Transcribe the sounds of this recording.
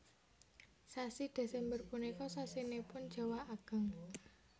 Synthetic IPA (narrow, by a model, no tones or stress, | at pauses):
sasid̪̥e̤sɛmbərpunikɔsasinepʊn̥d͡ʒ̥a̤waaɡ̥ə̤ŋ